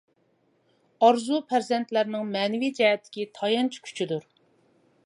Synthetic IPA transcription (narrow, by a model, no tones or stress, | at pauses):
ɑɾzupʰæɾzɛnt̪læɾnɪŋmɛːnɪvid͡ʒɛɦɛt̪ʰːɪ̥kʲit̪ʰɑjɑnt͡ʃʰi̥kʲʰy̥t͡ʃʰid̪uɾ